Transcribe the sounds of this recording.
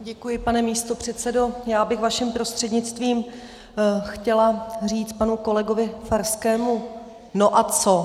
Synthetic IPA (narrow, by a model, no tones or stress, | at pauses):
ɟɛkujɪpanɛmiːst̪o̞pr̝̥ɛt̪t͡sɛdo̞jaːbɪxvaʃɛmpɾo̞st̪r̥ɛdɲɪt͡st̪viːm | xcɛlar̝iːt͡spanuko̞lɛɡo̞vɪfaɾskɛːmu | no̞ʔat͡so̞